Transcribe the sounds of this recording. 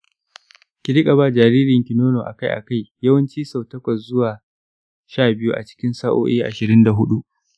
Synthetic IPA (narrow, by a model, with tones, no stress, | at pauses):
kʲɪ˦˨ɽɪ˦kʼa˨ba˦d͡ʒaː˨ɾiː˦ɾɪ˨ŋkʲɪ˨noː˦noː˨ʔa˨ka˦jʔa̰˨ka˦˨jjɐ˦wɐ˦nt͡ʃiː˦sɐ˨wtɐ˦kʷɐ˨szʊ˦waː˨ | ʃaː˦˨bɪ˦ju˦ʔa̰˨t͡ʃɪ̥˦kʲɪ˦nsaː˦ʔo̰ː˦ʔeː˦ʔa̰˨ʃɪ˨ɾɪ˦nda˨ɦʊ˦ɗu˦ʔ